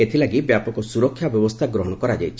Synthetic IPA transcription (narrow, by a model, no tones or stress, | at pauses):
et̪ʰilaɡibjapɔkɔsuɾɔkʰːjabjɔbɔst̪ʰaɡɾɔɦɔɽ̃ɔkɔɾad͡ʒajt͡ʃʰi